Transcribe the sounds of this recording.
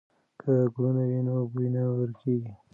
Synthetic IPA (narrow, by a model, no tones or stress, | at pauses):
kʰəɡɽunawinobujnawəɾkeɡi